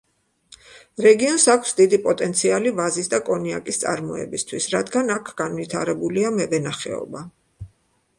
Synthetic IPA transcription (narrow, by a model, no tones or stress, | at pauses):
ɾɛɡiɔnsakʷʰsd̪id̪ipʼɔt̪ʼɛnt̪sʰialivazisd̪akʼɔnia̰kʼist̪sʼa̰ɾmɔɛ̰bist̪ʰwisɾad̪ɡanakʰɡanvit̪ʰaɾɛbuliamɛvɛnaχɛ̰ɔ̰ba